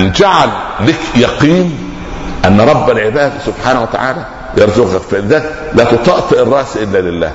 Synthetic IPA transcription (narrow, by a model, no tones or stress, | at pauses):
nd͡ʒaʕalːekjɑqiːn | ʔænːɾˤɑbːælʕɪbæːd̪sʊbħaːnawæt̪a̰ʕaːlæ | jɑɾˤzʊqɑkfæʔɪðæːk | læːt̪ʊt̪ˤɑʔt̪ˤɨʔɪrˤːɑʔsiʔɪlːæːlɪlːæ̰ː